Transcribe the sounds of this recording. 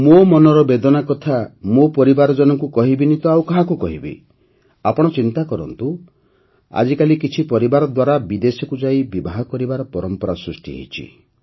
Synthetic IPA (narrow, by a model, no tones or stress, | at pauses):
momɔnɔɾɔbed̪ɔnakɔt̪ʰamopɔɾibaɾɔd͡ʒɔnɔŋkukɔɦibinit̪ɔawkaɦakukɔɦibḭ | apɔɽ̃ɔt͡ʃint̪akɔɾɔ̰nt̪u | a̰d͡ʒikalikit͡ʃʰipɔɾibaɾɔd̪waɾabid̪esɔkud͡ʒaibibaɦɔkɔɾibaɾɔpɔɾɔmpɔɾasɾusʈḭɦḛjt͡ʃʰḭ